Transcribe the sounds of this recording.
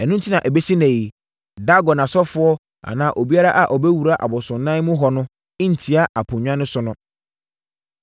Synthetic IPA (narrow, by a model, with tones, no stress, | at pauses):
ɛ˨nũ˦n̩˦tʰi˦nã˨ʔɛ˨bɛ˦si˦nɛ̃˨i˨ | da˦ɡɔ˨nã˨sɔ˦fʊ˦ɔ˦ | a̰˨nãː˨˦ʔo˨bi˦a˦ɾa˦ʔa˨ʔɔ˨bɛ˦wu˨ɾa˦ʔa̰˨bɔ˨sʊ̃˨n˦nã˦mʊ̃˦ɦɔ˨nʊ̃˦ | ɪ̃˦n̩˨tʰi˦a˦ʔa˨pʰʊ̃˨ɲᶣã˦nʊ̃˦sʊ˨nʊ̃˦